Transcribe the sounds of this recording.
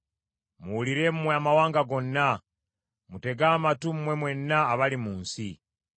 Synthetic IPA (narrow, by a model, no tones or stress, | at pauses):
muwuliɾe̞mumweamawaːŋɡaɡo̞nːa | mute̞ɡaːmatum̩mwe̞mwe̞nːaːβalimuːnsi